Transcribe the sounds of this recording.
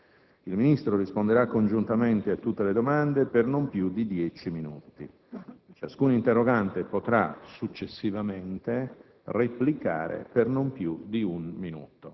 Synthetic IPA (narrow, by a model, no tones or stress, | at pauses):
ilminist̪ɾorispond̪eɾakːond͡ʒunt̪ament̪eat̪ːut̪ːeled̪omand̪epernompjud̪id̪jɛt͡ʃiminuːt̪ḭ | t͡ʃaskunint̪erːoɡant̪epot̪ɾa̰sut͡ʃːesːivament̪e | replika̰ːɾḛpernompjud̪iunminṵːt̪o